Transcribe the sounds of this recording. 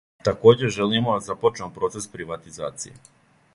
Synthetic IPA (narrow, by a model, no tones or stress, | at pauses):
t̪ako̞ːd͡ʑeʒelijemod̪azapot͡ʃemopɾo̞ːt̪sespɾiʋat̪izaːt̪sijḛ